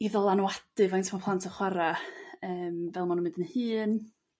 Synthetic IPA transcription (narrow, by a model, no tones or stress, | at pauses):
iðɔlˠanwad̥ɨvajntʰmɔpʰlˠantʰəχwaɾaəːmvɛlˠmanumɪdənhɨːn